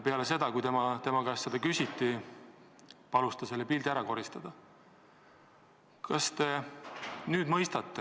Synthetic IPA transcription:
peɑle̞se̞d̪̥ɑkujt̪e̞mɑt̪e̞mɑkɑsːed̪̥ɑkysʲit̪ːi | pɑlust̪ɑse̞lːepild̪iæɾɑko̞ɾist̪ɑd̪̥ɑ | kɑst̪e̞ | nyːd̪mɤjst̪ɑt̪ːe

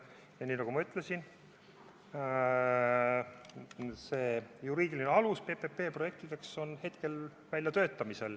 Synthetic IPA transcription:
jɑniːnɑɡ̥umɑyt̪ˑlesin | se̞ːjuɾiːd̪ilineɑluspe̞pepe̞ːproje̞k̚t̪id̪̥e̞kso̞nhe̞t̪ke̞l | vælʲjɑt̪ø̞ːt̪ːˑɑmise̞l

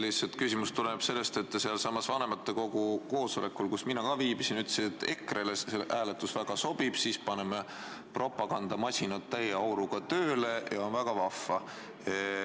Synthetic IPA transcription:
liset̪kysimust̪uleneb̥se̞lːe̞st̪e̞t̪ːˑseɑlsɑmːɑsvɑne̞mɑt̪ːe̞ko̞ɡuko̞ːso̞le̞kːˑulkusminɑkɑviːbisinyt̪ːseːt̪ːˑe̞kˑreleseʔæːlet̪ːˑusvæɡ̥ɑso̞b̥ib̥siːspɑne̞me | pro̞pːˑɑɡ̥ɑnd̪̥ɑmɑsʲinɑt̪ːæjeɑwɾuɡ̥ɑt̪øːle̞jɑo̞nvæɡ̥ɑvɑfːɑ

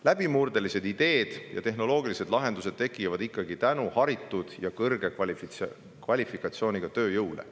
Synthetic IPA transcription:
læb̥imurd̪e̞lise̞d̪̥id̪̥e̞ːd̪̥jɑ̰t̪e̞ɦno̞lo̞ːɡilise̞d̪̥lɑɦe̞nd̪us̬e̞d̪̥t̪e̞kːˑivɑd̪̥ikːɑɡit̪ænuhɑɾit̪ːˑud̪̥jɑkɤrɡ̥e̞kɑl | kvɑlʲifikːˑɑt̪sio̞ːnʲiɡ̥ɑt̪ø̞ːjɤwlḛ

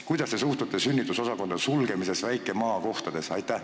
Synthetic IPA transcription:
kujd̪̥ɑssesuht̪ut̪ːˑesynʲːit̪ːˑuso̞sɑko̞nd̪̥sulɡe̞mise̞svæjkːˑe̞mɑːko̞ht̪ɑd̪̥e̞sɑjt̪ːˑæh

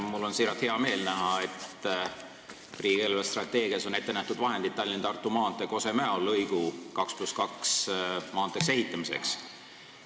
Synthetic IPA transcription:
mulːo̞nsiɾɑt̪he̞ɑme̞ːlnæɦɑet̪ | riːɡ̥eelvest̪rɑt̪ːˑe̞ːɡiɑso̞ne̞t̪ːenæht̪ud̪̥vɑɦe̞nd̪id̪̚t̪ːɑlːint̪ɑrt̪ːˑumɑːnt̪ːˑeko̞se̞mæolːɤjɡ̥ukɑkspluskɑksmɑːnt̪ːˑe̞kse̞ɦit̪ːˑɑmise̞̰ks

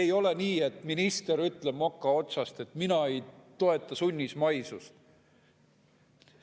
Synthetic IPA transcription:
ejo̞le̞niːe̞t̪ˑminist̪e̞ɾyt̪ːˑle̞b̥mokːˑɑo̞t̪sɑst̪e̞t̪ˑminɑe̞jt̪o̞e̞t̪ːˑɑsunʲːismɑjsust̪

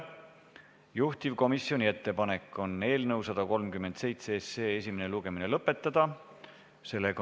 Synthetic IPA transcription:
juht̪ivko̞misio̞nʲie̞t̪ːe̞pɑne̞kːˑo̞ne̞ːlnɤwsɑd̪̥ɑko̞lmkymːˑe̞nd̪se̞jt̪seseːesʲimene̞luɡ̥e̞mine̞lɤpːˑe̞t̪ːˑɑd̪̥ɑ | se̞lːe

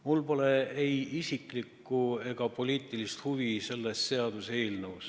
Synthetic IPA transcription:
mulpo̞le̞ejisiklikːˑue̞ɡ̥ɑpo̞lʲiːt̪ːˑilist̪huvise̞lːest̪se̞ɑd̪̥use̞ːlnows

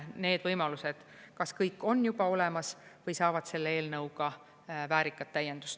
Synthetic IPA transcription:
ne̞ːd̪̥vɤjmɑluse̞d̪̥kɑskɤjkːˑo̞nːjub̥ɑo̞lemɑsvɤjsɑːvɑd̪̥se̞lːee̞ːlnɤwɡɑ | væːɾikːɑt̪ːæjːe̞nd̪̥u̥st̪

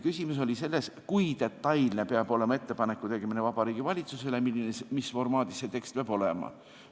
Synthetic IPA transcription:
kysʲimus̬o̞lʲise̞lːe̞skujt̪e̞t̪ːɑjlne̞peɑbo̞le̞mɑe̞t̪ːe̞pɑnekːut̪e̞ɡemine̞vɑbɑɾiːɡ̥ivɑlʲit̪suse̞lemilːinesmisfo̞rmɑːd̪issːe̞t̪e̞kst̪̚peɑb̥o̞lemɑ̰

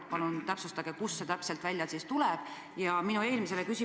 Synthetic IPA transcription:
pɑlunt̪æpsust̪ɑɡ̥e̞kusːet̪æpselt̪vælʲjɑt̪sist̪ulɛb̥ | jɑminue̞ːlmise̞le̞kysi

